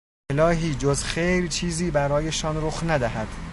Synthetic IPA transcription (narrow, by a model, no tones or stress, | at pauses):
elɒːɦiːd͡ʒozxejɾt͡ʃʰiːziːbæɾɒːjeʃɒːnɾoxnæd̪æhæd̪̥